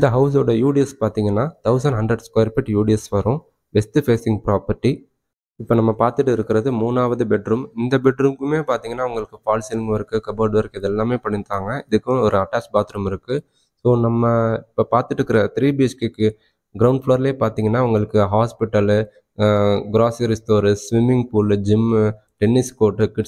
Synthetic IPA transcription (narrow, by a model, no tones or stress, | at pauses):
ɪnd̪ɐɦɐʊs̬oːɽɐjuːɽɪjɛspaːɾt̪iːŋɡɐnːaːt̪ɐʊs̬ɐɳɖɦɐɳɖɾɛɖskoːɪɾpɛʈjuːɽiɛsʋɐɾʊ̃ | ʋɛst̪ɯfeːsɪŋɡ̚pɾaːpɐɾʈːi | ɪpːoːnɐmːɐpaːɾt̪ɯʈːɯɪɾɯkːɪɾɐðɯmuːnaːʋɐðɯbɛʈɾumɪnd̪ɐbɛʈɾuːmkɯmeːpaːɾt̪iːŋɡɐnːaːʋɐŋɡɐɭɯkːɯfaːlsɪlŋɡɯʋɐɾɯkːɯkɐbɐːɖʋɐɾɯkːɪðɛlːaːmeːpɐɳɪnt̪ːaːŋɡɐɪðɯkːʊ̃ɔɾɯɐʈːaːt͡ʃpaːɾt̪ɯɾɯmɪɾɯkːɯ | soːnɐmːɐɪpːoːpaːɾt̪ɯʈːɾɯkːɪɾɐt̪ɪɾiːbiɛt͡ʃkekːɯ | ɡɪɾɐʊɳɖfloːɾɪleːpaːɾt̪iːŋɡɐnːaːʋʊŋɡɐɭɯkːɯɦaːspɪʈːɐl | ɡɾaːsɐɾɪst̪oːɾsʋɪmːɪŋɡ̚puːld͡ʒɪm | ʈɛnːɪskoːʈːɯkɪʈ